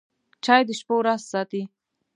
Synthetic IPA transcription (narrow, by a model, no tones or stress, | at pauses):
t͡ʃɑjd̪əʃpowɾazsɑt̪i